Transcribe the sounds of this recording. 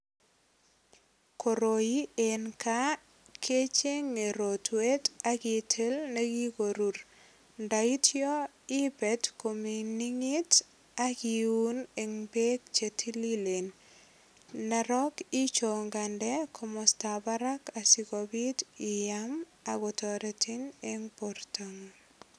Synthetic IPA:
ko˨ɾo˨ji˦enka | kʰe˦t͡ʃe˦ŋːe˨ɾotweta˦ki˨tʰe˦lneɡi˦ɡo˨ɾu˨ɾ | ndaitʰiɔ˦ | i˦bɛ˨tkomi˨ni˦ŋi˦t | aki˨u˦ne˨ŋbe˦k̚t͡ʃetʰi˦lile˨n | a˨ɾɔki˦t͡ʃoŋɡa˨ndɛkʰɔmɔstabaɾaka˨sikɔbi˦tɪ˨jam | a˨ɡɔtɔɾɛti˦ne˦ŋpoɾtoŋ

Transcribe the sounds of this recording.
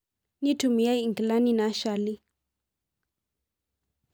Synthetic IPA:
ni˦tʰu˨mi˨ja˦i˨ŋɡla˦ni˦na˨˦ʃa˨li˦

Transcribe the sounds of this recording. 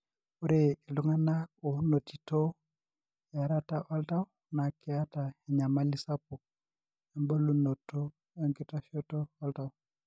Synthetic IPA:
u˦ɾe˦i˨lu˦ŋa˦nako˨˦no˨ti˨to˦˨ | a˨ɾa˦ta˦ʔɔ˦lta˦w | na˨kɛ˦a˦ta˨hɛ˨ɲa˨ma˦li˦sa˦pu˨ | ɛ˨mbo˦lu˦no˨to˦ | e˦ŋɡi˦ta˦ʃɔ˦tɔ˦ɔ˦lta˨w

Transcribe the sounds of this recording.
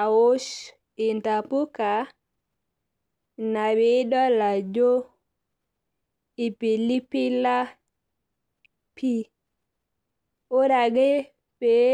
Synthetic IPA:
a˨wo˦ʃ | i˨nta˨pu˦ka˨ | na˨bi˨˦dɔ˦la˨d͡ʒo˦ | i˨pi˨li˦pi˦la˦ | pi˦ | o˦ɾa˨ɡe˦ | pe˨

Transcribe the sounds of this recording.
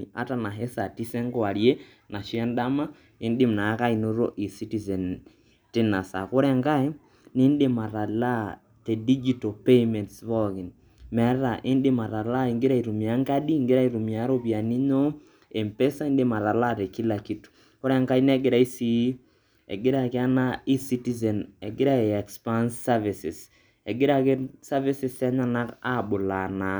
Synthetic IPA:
a̰˨ta˨na˨ɦɛ˦sa˨ti˦sɛ˦ŋɡwa˨ɾje˦ | na˨ʃjɛ˦nda˦ma˦ | e˦nde˦m˨na˨˦ka˦i˨no˦ɾo˦ʔi˨si˦tizɛ˨n | te˦na˨sa̰˨ko˦ɾɛ˦ŋɡa˦i˦ | niː˦ndema˨ɾa˨la˦ | tɛ˨di˦d͡ʒi˦tɔpe˦imɛ˨ntsβɔɣi˨n | mɛ˨ɾɾa˨ʔe˦nde˦ma˨ɾa˨la˦iŋɡe˦ɾa˦i˨ɾu˨mja˦ŋɡa˦ɗi˦ŋɡe˦ɾa˦i˨ɾu˨mia˨˦ɾo˦βja˨ni˦ɲɔ˦ | e˨mpe˦sa˦i˦ndɪ˦ma˨ɾa˨la˦te˨ki˦la˨ki˦tu̥˨ | kɔ˦ɾɛ˦ŋka˦i˦nɛ˦ɡɪ˦ɾa˨i˦si˨˦ | ɛ̰˨ɡɪ˦ɾa˨kɪ˦a˦na˦i˦si˦ti˦zɛ˨nɛ˨ɡɪ˦ɾa˦e˨ɛ˨kspa˦nsːa˦vi˨sɪ˨s | ɛ˨ɡɪ˦ɾa˦kɪ˦sa˦vi˦sɪ˦stɛ˦ɲa˦na˦ka˦˨ɓʊ˨la˨na˨

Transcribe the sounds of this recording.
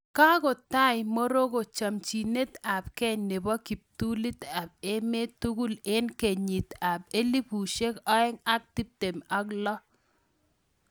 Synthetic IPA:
ka˦ɡo˨t̪a˦ɪ˨mo˦ɾo˦ɡo˨t͡ʃa˨mt͡ʃi˨ne˦t̪a˨pkɛ˦ɲne˨bɔ˦ki˨p̚t̪u˦li˦t̪a˨b̚e˦me˦t̪u˦ɡu˦le˦nke˨ɲi˨t̪a˨p̚e˦li˦pu˨ʃe˦kɔ˦ɛ˦ŋa˦k̚t̪i˦p̚t̪e˨ma˦klɔ˦

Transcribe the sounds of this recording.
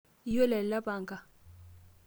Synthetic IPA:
i˦jɔ˦lɛ˨lla˦baː˨ŋɡʼa˨

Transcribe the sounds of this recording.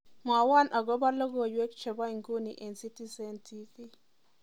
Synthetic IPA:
mwa˨wa˦˨nʔa˨ɡɔ˦ba˦lo˦ɡo˨jwe˦kt͡ʃɛ˨ba˦i˨ŋɡu˦ni˨ʔe˨nsi˦ti˦sɛ˦˨ntʰi˦fi˦

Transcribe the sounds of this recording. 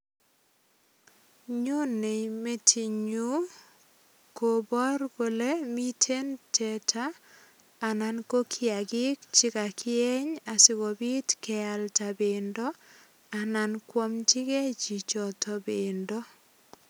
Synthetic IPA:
ɲo˦ne˨jme˦tʰi˨ɲu˦ | ko˨bɔ˦rɡo˨le˦mi˦tʰe˦ntʰɛ˨tʰaː˦˨ | na˨nko˦kʰɪ˦a˨ɡɪ˦k̚t͡ʃɪ˦ka˨kʰɪ˦ɛ˦ɲa˨sɪ˦ɡɔ˨bi˦tkɛ˨a˨lta˨bɪ˨ndɔ˦ | a˨na˨nkwo˦mtɪ˦ke˦t͡ʃi˨t͡ʃɔ˨tɔ˨bɪ˨ndɔ˦

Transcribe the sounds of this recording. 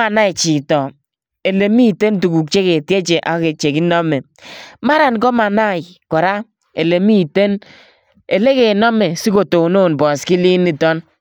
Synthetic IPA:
a˨na˦i˨t͡ʃi˨tɔ˨ | e˨le˨mi˦˨te˦ntu˨ku˨k̚t͡ʃe˦ke˨tje˦t͡ʃe˨ʔa̰˨˦ke˨t͡ʃe˨ki˦nɔ˦mɛ˨ | ma˦ɾa˨nkɔ˦ma˨na˦˨ɪ˨ | kɔ˨ɾa˦ | e˨le˨mi˦˨te˦n | e˨le˦ke˨nɔ˦mɛ˨si˦ko˨to˨no˦˨nbɔ˨ski˦li˦ni˨tɔ˦n

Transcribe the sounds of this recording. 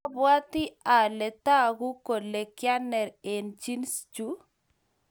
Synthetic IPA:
bwa˦t̪ɪ˦a˨lɛ˨ta˦ɣu˦ko˨le˨kja˦nɛ˨ɾe˨nd͡ʒi˦nst͡ʃu˦

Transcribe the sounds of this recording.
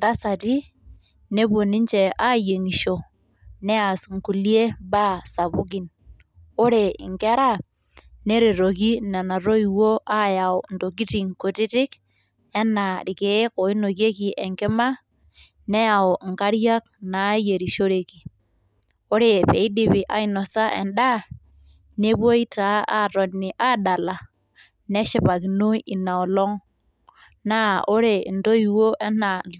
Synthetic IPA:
nda˦sa˨ti˦ | ne˦bo˨ni˦ɲt͡ʃe˨a˦je˨ŋi˨ʃo˨ | nɛ˦a˨sŋ̩˨ku˨li˦e˦ba˦sa˨bu˦ɡi˦n | o˦ɾe˨ḭ˨ŋkɛ˦ɾa˦ | ne˦ɾi˨ɾo˨k̬i˦na˨na˨ɾo˦i˨wo˦ʔa˦ja˨o˨n˨do˨k̬i˦ti˨ŋko˨ti˦tɪ˦k | ɛ˦na˨ɾi˨ke˨˦ko˨i˦no˨ke˦ki˨ʔe˨ŋkɪ˦ma˦ | ne˦ja˨o˨ŋ˨ka˦ɾja˦k̚na˨˦je˨ɾi˨ʃo˦ɾe˨ki˨ | o˦ɾe˨pe˨i˦di˨bi˨ʔa˨˦i˦nɔ˨sa˦ʔḛ˨nɗa˦ | ne˦bo˦i˦ta˨˦ʔa˦˨ɾo˨ni˨ʔa˦da˨la˨ | ne˦ʃi˦pa˨ki˨no˦ji˨na˨o˨lɔ˦ŋ | na˦˨o˦ɾe˨ndo˦ji˨wo˦ʔe˦na˨

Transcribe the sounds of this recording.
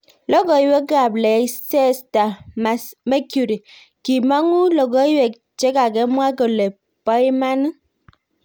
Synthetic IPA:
lɔ˦ɡɔ˨i˨˦we˦ɡa˨blɛ˨˦sɛ˦sta˨ma˨me˦kju˨ɾi˨ | ki˨ma˦ŋu˦lɔ˨ɡɔ˨˦i˦we˨k | t͡ʃɛ˦ka˨ɡɛ˦mwa˦ɡo˨le˨ | pɔ˦i˦ma˦n˦

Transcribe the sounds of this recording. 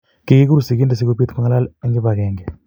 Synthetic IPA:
ki˨ki˦k̬u˦ɾu˨si˨k̬i˦nda˨s̬i˦ko˦pi˦t̪ka˦ŋa˦la˦lŋɡi˦ba˨kɛː˨ŋɡɛ˨

